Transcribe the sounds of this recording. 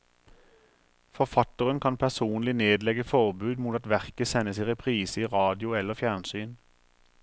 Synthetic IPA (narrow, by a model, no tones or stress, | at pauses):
fɔʁfɑt̪əʁənkʰɑnpʰæʁsuːnlɪneːd̪lɛɡəfɔʁbʉːd̪muːt̪ɑt̪ʋæʁkəsɛnːəsiːʁɛpʰʁiːsəiːʁɑːd̪ɪʊɛləʁfjæʁnsyːn